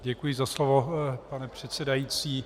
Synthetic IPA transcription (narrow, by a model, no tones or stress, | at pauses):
ɟɛkujɪzaslovopanɛpr̝̥ɛt̪sɛdajit͡siː